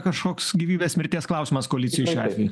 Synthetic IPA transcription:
kɐʃkoːksɡʲiːʋʲiːbʲeːsmʲɪɾʲt̪ʲiɛsklˠɐʊsʲɪːmɐskoːlʲɪt̪ʲɪjuʃʲuɑːt̪ʲʋʲɛju

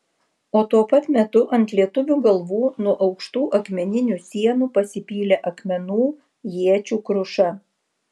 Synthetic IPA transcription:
oːt̪uɔpɐt̪mʲɛt̪ʊʔɐnʲt̪lʲiɛt̪ʊʋʲuːɡɐlˠʋuːnuɔʔɒʊkʃt̪uːʔɐkmʲɛnʲɪnʲusʲiɛnuːpɐsʲɪpʲiːlʲeːʔɐkmʲɛnuː | jiɛt͡ʃʲuːkɾʊʃɐ

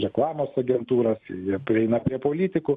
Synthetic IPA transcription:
ɾʲɛklˠɑːmoːsɐɡʲɛnt̪uːɾɐsjiɛpʲɾʲɪɛɪnɐpʲɾʲiɛpoːlʲiːt̪ʲɪkʊ

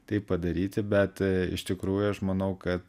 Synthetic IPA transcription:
t̪ɐɪppɐd̪ɐɾʲiːt̪ʲɪbʲɛt̪ɪ̰ʃt̪ʲɪkɾuːjʊɐʃmɐnɐʊkɐt̪

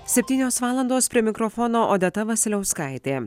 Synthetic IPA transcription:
sʲɛpʲt̪ʲiːnʲoːsʋɑːlˠɐnd̪oːspʲɾʲiɛmʲɪkɾɔfɔːnoːʔoːd̪ʲɛt̪ɐʋɐsʲɪlʲɛʊskɐˑɪt̪ʲeː

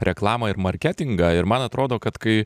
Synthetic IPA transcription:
ɾʲɛklˠɑːmɐɪɾmɐɾʲkʲæːt̪ʲɪŋɡɑɪɾmɐnɐt̪ɾʔoːd̪oːkɐt̪kɐɪ

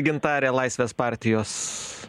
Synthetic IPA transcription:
ɡʲɪnt̪ɑːɾʲeːlˠɐɪsʲʋʲeːspɑˑɾʲt̪ʲɪjoːs

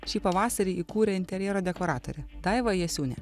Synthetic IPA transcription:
ʃʲiːpɐʋɑːsɐɾʲiːʔikuːɾʲɛɪnt̪ʲɛɾʲjɛːɾoːd̪ʲɛkoːɾɑːt̪o̰ɾʲɛt̪ɐɪʋɐjɛsʲuːnʲɛ̰

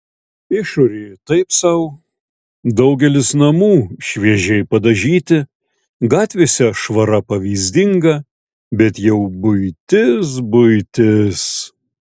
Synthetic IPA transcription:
ɪʃoːɾʲeːt̪ɐɪpsɐʊ | d̪ɐʊɡʲɛlʲɪsnɐmuːʃʲʋʲiɛʒʲɛɪpɐd̪ɐʒʲiːt̪ʲɪ | ɡɑːt̪ʲʋʲeːsʲɛʃʋɐɾɐpɐʋʲiːzʲd̪ʲɪŋɡɐ | bʲɛt̪jɛʊbʊɪt̪ʲɪs̬bʊɪt̪ʲɪs

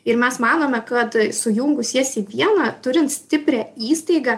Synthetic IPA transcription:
ɪɾmʲɛsmɑːnoːmʲɛkɐt̪sʊjʊŋɡʊsʲiɛsiːʋʲiɛnɐt̪ʊɾʲɪnt̪sʲt̪ʲɪpʲɾʲæːiːst̪ɐɪɡɑ

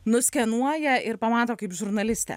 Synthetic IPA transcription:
nʊsʲkʲɛnuɔjɛɪɾpɐmɑːt̪oːkɐɪpʒʊɾnɐlʲɪsʲt̪ʲɛ̰

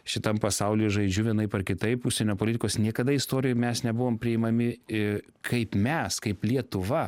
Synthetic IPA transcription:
ʃʲɪt̪ɐmpɐsɐʊlʲiːʒɐɪd͡ʒʲʊʋʲiɛnɐɪpɐɾkʲɪt̪ɐɪpʊʃʲsʲɛnʲoːpoːlʲɪt̪ʲɪkoːsnʲiɛkɐd̪ɐɪst̪oːɾʲɪjomʲɛsnʲɛbʊʋoːmpʲɾʲɪɪmɐmʲɪ | kʰɐɪpmʲɛskɐɪplʲiɛt̪ʊʋɐ

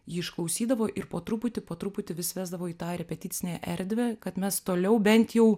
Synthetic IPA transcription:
jiːɪʃklˠɐʊsʲiːd̪ɐʋoːʔɪɾpoːt̪ɾʊpʊt̪ʲɪpoːt̪ɾʊpʊt̪ʲɪʋʲɪsʋʲæːzd̪ɐʋoːiːt̪ɑːɾʲɛpʲɛt̪ʲɪːsʲɪnʲeʔɛɾʲd̪ʲʋʲɛkɐt̪mʲɛst̪oːlʲɛʊbʲɛnʲt̪jɛʊ

